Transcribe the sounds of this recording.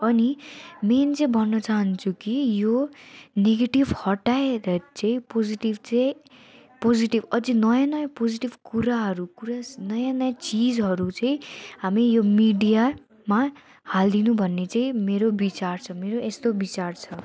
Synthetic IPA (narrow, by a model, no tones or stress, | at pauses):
ʌniment͡sʌĩbʱʌnːʌt͡saɦʌnt͡sʰukijoneɡeʈibhʌʈaeɾet͡sʌ̃ĩpod͡ziʈibt͡sʌj | pod͡ziʈibʌd͡zinʌjanʌjapod͡ziʈibkuɾaɦʌɾukuɾanʌjanʌjat͡sid͡zɦʌɾut͡sʌĩɦamijomiɖija | ma | hald̪inubʱʌnːet͡sʌĩmeɾobit͡sart͡sʰʌmeɾoʔest̪obit͡sart͡sʰʌ